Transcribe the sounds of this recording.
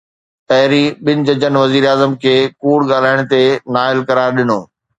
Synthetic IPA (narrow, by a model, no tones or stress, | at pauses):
ɐɦɪɾiɓɪnɪ̆d͡ʑɐd͡ʑənʋɐziːɾaːzəmkʰeːkuːɽɠaːl̤aːɪɽ̃t̪enaːɪlkɐɾaːɾɗɪnoː